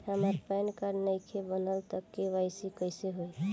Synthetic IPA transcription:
həməɾpajnkaɾnəjkʰebənəlt̪əkːewajsikəjseɦoj

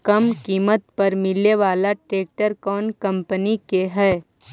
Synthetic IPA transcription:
kɐmkiːmət̪̚pɐɾmɪleʋaːlaʈɾeːk̚ʈəɾkɔːnkɐ̃mpənikeɦɛː

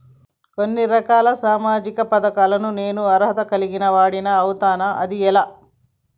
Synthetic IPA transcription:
konːiɾɐkaːlɐsaːmaːd͡ʒikɐpɐd̪ɐkaːlɐnune̞ːnuɐɾɦɐt̪ɐkɐliɡinɐʋaːɽinɐːwt̪aːnɐʔɐd̪iɛlaː

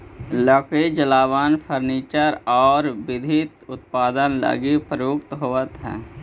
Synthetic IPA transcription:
ləkʰed͡ʒəlaːʋaːnpʰəɾniːt͡ʃəɾɔːɾbɪd̪ʱit̪ʊt̪paːd̪ənlə̰ɡipəjoːkt̪ɦoːət̪ɦɛ̰̃ː

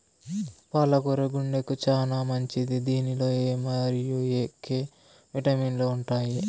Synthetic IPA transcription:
paːlɐkuɾeɡuɳɖekut͡ʃaːnaːmɐɲt͡ʃid̪id̪iːnilo̞ːeːmɐɾijueːkeː | ʋiʈɐmiːnlo̞ːuɳʈaːji

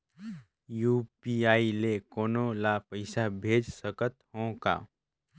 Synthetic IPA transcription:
juːpiaːilekoːnolaːpəɪsabʱeːd͡ʒsəkət̪hõːka̰ː

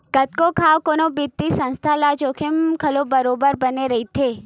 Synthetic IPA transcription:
kɐt̪̚kokʰaːʋkoːnobɪt̪ːisə̃nst̪ʰalad͡ʒoːkʰɪmkʰɐlobəɾoːbəɾbɐneɾɐɦit̪ʰeː

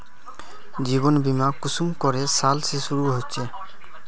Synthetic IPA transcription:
d͡ʑiβonbimakusumkɔɾesalsesuɾuɦot͡ʃʰe

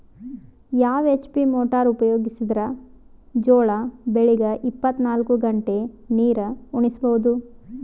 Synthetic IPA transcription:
jaːʋet͡ʃpimoːʈaːɾupɐjoːɡisid̪ɾɐ | d͡ʒoːɭɐbeɭiɡɐʔipːɐt̪ːnaːlkuɡɐɳʈe | niːɾɐuɳisbɐʋud̪u

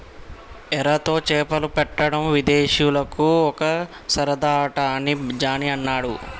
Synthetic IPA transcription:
ɛɾɐt̪o̞ːt͡ʃɛːpɐlupɛʈːɐɽɐmʋid̪eːʃjulɐkuɔkɐ | sɐɾɐd̪aːʈaːnid͡ʒaːniɐnːaːɽu

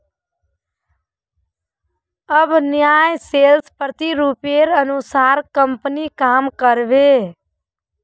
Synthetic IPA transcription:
əbʱnjajselspɾət̪iɾupeɾənusaɾkəmpnikamkəɾbe

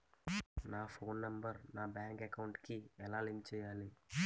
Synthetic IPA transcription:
naːpʰo̞ːnːɐmbɐɾnaːbjaːŋkɛkɐwuɳʈkiɛlaːlinkt͡ʃɛːjaːli

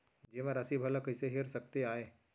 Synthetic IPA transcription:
d͡ʒeʋãɾəsibʱələkɪseɦeɾsɐk̚t̪eaːeː

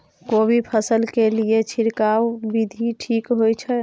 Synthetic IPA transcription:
kobʱipʰəsəlkeliet͡ʃʰiɾkawbid̪ʱiʈʰikɦojt͡ʃʰɛ

